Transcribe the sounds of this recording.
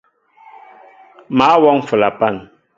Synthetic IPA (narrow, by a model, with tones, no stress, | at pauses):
maː˨˦wɔ˦ŋ˦fɨ˨la˨pa˦˨n